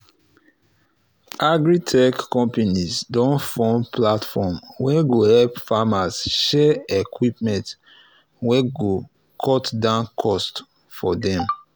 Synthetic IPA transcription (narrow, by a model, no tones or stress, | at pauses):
ʔaɡɹitʰɛkːɔ̃mpanisdɔ̃nfɔ̃mplatfɔmwɛɡohɛlpfamasʃɛekʰwipmɛ̃nt | wɛɡo | kʰɔtdãnkʰɔst | fɔdɛ̃m